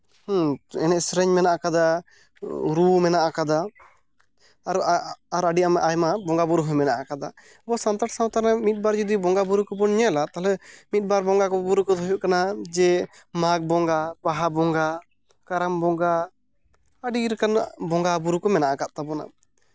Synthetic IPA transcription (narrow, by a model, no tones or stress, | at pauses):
hũɛnɛʔsɾɛɲmɛnaʔakad̪a | ɾumɛnaʔakad̪a | ɾaɾaɖiamʔajmabɔŋɡabuɾuɦujmɛnaʔakad̪a̰ | bɔsant̪aʈsawt̪aɾnamit̪̚ˀbaɾd͡ʒɔd̪ibɔŋɡabuɾukɔbɔnɲalat̪alɛmit̪̚baɾbɔŋɡakɔbuɾukɔd̪ɦɔjuʔkanad͡ʒɛ | maɡ̚bɔŋɡabaɦabɔŋɡa | kaɾambɔŋɡa | aɖiɾɛkanbɔŋɡabuɾukɔmɛnaʔakaʔ̪̚t̪abɔna̰